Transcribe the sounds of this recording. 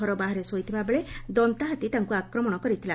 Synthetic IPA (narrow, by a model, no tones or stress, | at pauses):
ɔɾɔbaɦaɾesojt̪ʰibʱabeɭed̪ɔnt̪aɦat̪it̪aŋkuakɾɔmɔɽ̃ɔkɔɾit̪ʰila